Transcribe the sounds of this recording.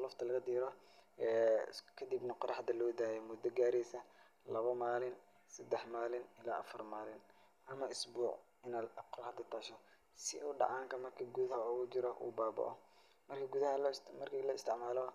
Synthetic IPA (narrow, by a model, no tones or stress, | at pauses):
lɔft̪ʰɐlɐɣɐd̪iːɾɔ | ɛːkʰɐd̪ibnɐqɔɾɐhɐd̪ɐlɔːd̪aːjɛmʊd̪ɐɡaːɾɛjsɐ | lɐβɐmaːlɪn | sɐd̪ɛħmaːlɪnɪlaːʔɐfɐrmaːlɪn | ʔɐmɐɪsbuːʕ | ɪnaːd̪ɐqɔɾhɐd̪ɐt̪ʰaːʃɔ | sɪ̰ʊɖɑ̰ʕɑːŋkʰɐmɐrkʰɐɡuðɐɦɐɔːɣʊt͡ʃɪɾɔʔṵːbaːbɐ̰ʔɔ̰ | mɐrkʰɐɡʊðɐɦɐlmɐrkʰilɔɪst̪ʰɪʕmaːlɔ